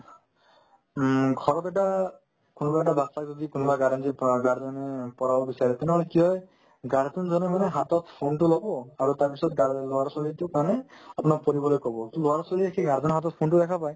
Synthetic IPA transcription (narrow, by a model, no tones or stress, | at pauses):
ɡʱɔɾɔt̪eʈa | kunɔbaɛʈab̪asaɡd͡ʒɔd̪ikunɔbaɡaɾand͡ʒiɡaɾɔnepɔɾabɔbisaɾit̪ɔnɦɔɭekiɦɔj | ɡaɾt̪und͡ʒɔnemaneɦat̪ɔt̪ʰpʰuɳʈulɔbɔaɾut̪aɾpisɔt̪ɡaɾloaɾɔsɔlit̪ukaneapɔnɔpɔɾibɔlekɔbɔt̪loaɾɔsɔliekʰeɡaɾtɔnɦat̪ɔt̪pʰuɳʈud̪ekʰapaj